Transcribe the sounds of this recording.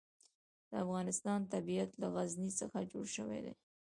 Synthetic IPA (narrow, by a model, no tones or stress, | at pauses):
d̪̥əafɣɑnɪst̪ɑnt̪abijat̪laɣaznisəxad͡ʒoɽʃəwḛd̪ḛ